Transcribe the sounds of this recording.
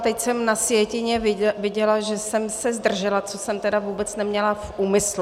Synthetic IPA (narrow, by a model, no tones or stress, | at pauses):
t̪ɛcsɛmnasjɛcɪɲɛvɪɟɛlaʒɛsɛmsɛzd̪r̩ʒɛlat͡sosɛmt̪ɛdavuːbɛt͡snɛmɲɛlafʔuːmɪslu